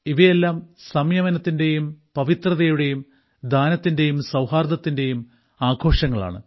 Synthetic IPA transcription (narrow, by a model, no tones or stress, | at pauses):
iʋɐje̞lːaːmsɐmjɐmɐnɐt̪ːinde̞jumpɐʋit̪rɐðɐjuɽe̞jum | d̪ʱaːnɐt̪ːinde̞jumsɐwhaːrd̪ɐt̪ːinde̞jum | aːɡʰʱo̞ːʂɐŋːɐɭa̰ːɳɨ̰